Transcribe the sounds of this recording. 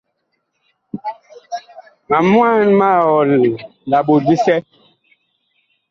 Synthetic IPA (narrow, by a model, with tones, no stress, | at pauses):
ma˨mwa˦˨nma˦˨ɔ˨lla˨ɓo˨di˦sɛ˦